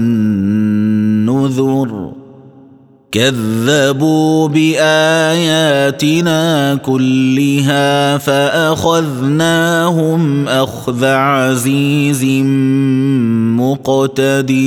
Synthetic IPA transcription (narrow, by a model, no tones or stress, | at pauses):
ʊðʊɾ | kaðːabuːbɪʔaːjaːt̪ɪnaːkʊlːɪɦaːfaʔaxaðnaːɦʊmʔaxðaʕaziːz | mʊqt̪ad̪i